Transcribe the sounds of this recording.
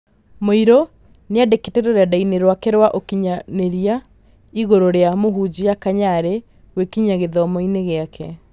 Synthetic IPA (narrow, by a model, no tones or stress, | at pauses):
moiɾo | neadeketeɾoɾeadaineɾwakeɾwaʔokiɲaneɾia | iɣoɾoɾeamoɦud͡ʑijakaɲaɾe | wekiɲaɣeðɔmoineɣeakʰɛ